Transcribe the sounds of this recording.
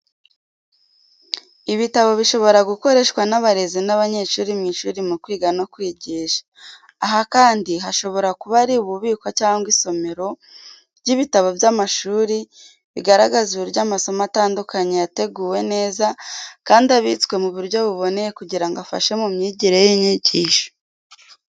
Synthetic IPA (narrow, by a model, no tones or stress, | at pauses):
iβitaβo̞βiʃo̞βo̞ɾaɡuko̞ɾe̞ʃkwanaβaɾe̞zinaβaɲe̞ːʃuːɾimɲiʃuːɾimukwiːɡano̞kwiːɟiːʃḁː | ɦakaːndiɦaʃo̞βo̞ɾakuβaɾiuβuβiːkwacaːŋɡwiso̞me̞ɾo̞ | ɟiβitaβo̞bjamaʃuːɾi | βiɡaɾaɡaziβuɾjaːmaso̞mataːndukaɲejate̞ɡuːwe̞ne̞ːzakaːndaβitwe̞muβuɾɟo̞βuβo̞ne̞jekuɟiɾaŋɡoafa̰ʃe̞mumɲiːɟiɾe̞jiɲiɟiːʃo̥